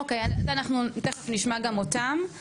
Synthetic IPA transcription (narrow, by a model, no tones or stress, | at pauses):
okejazanaχnuteχefniʃmaɡamotam